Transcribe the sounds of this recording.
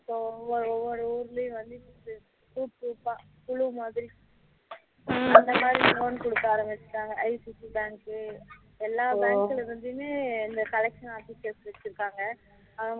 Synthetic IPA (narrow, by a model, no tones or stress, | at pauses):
ɪpːoʋɔɾɯɔʋːɔɾɯuːɾlɐj̃ʋɐnd̪ɯnɯ | fuːʈ̚puːpaː | kʊɭumaːðɪɾi | ɐnd̪ɐmaːd̪ɾioːnkɔɽɯt̪ːaːɾɐmbɪt͡ʃːɯ̥kːaːŋɡɐʔɐɪsisibaːŋkɯ | ɛlːaːbaːkːɐɭɾɯnd̪ɯmeːɪnd̪ɐkɐlɛkʂɐnaːfɪsʈɛsʋɐt͡ʃːɪɾɯkːaːŋɡɐ | ɐʋɐ